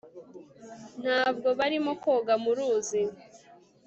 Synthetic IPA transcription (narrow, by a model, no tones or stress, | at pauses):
n̥haːbɡo̞βaɾimokoːɡamuɾuːzi